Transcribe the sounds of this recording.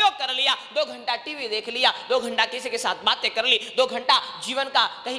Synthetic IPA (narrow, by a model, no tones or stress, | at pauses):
joːɡ̚kɐɾlijad̪oːɡʱɐ̃ɳʈaʈiʋid̪eːkʰlijad̪oːɡʱɐ̃ɳʈakɪsekesaːt̪ʰbaːt̪jekɐɾlid̪oːɡʱɐ̃ɳʈad͡ʒiːʋənkakɐɦi